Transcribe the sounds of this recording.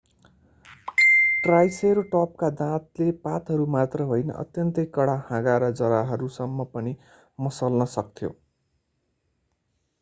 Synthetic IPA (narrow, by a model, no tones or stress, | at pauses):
ʈrajseɾʈʌp̚kad̪ãt̪lepat̪ɦʌɾumat̪rʌɦojnʌ̰ʔʌ̰t̪jʌnt̪ʌjkʌɽahãɡaɾʌd͡zʌɾaɦʌɾusʌmːʌpʌni | mʌsʌlnʌsʌk̚t̪ʰjo̰